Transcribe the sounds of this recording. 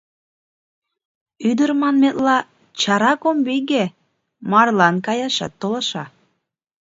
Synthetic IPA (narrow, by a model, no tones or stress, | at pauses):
yd̪əɾmɑnmet̪lɑ | t͡ɕɑɾɑkombiɣe | mɑrlɑnkɑjɑʃɑ̰t̪ːolɑʃɑ